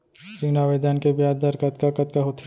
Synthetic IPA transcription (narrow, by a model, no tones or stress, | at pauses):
t͡ʃiŋnaːʋeːd̪ankebjaːd̪əɾkɐt̪kakɐt̪kaɦot̪ʰ